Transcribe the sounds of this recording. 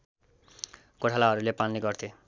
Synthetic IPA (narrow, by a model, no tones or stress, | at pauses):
koʈʰalaɦʌɾulepaniɡʌɾt̪ʰe